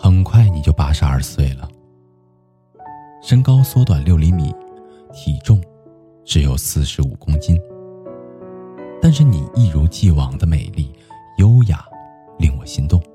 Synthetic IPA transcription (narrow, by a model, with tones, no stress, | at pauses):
xə˨˩nkʰwa˥˩ɪni˨˩t͡ɕjo˥˧ʊpa˥ʂɻ̩˧˥ɐ̰˞˥˧˩swe˥˩ɪlə˩ | ʂə˥ŋkɑ˥ʊswɔ˥t̪wa˨˩nljo˥˩ʊli˧˥mḭ˨˩˦ | t̪ʰi˨˩ʈ͡ʂʊ˥˩ŋ | ʈ͡ʂɻ̩˧˥jo˨˩ʊsɹ̩˥˩ʂɻ̩˧˥u˨˩kʊ˥ŋt͡ɕi˥n | t̪a˥˧nʂ̬ɻ̩˥˩ni˨˩i˥˩ɻu˧˥t͡ɕi˥˩wɑ˨˩ŋd̪ə˦me˨˩ɪli˥˩jo˥ʊja̰˨˩˦ | li˥˩ŋwɔ̰˨˩ɕi˧˥ŋt̪ʊ˥˩ŋ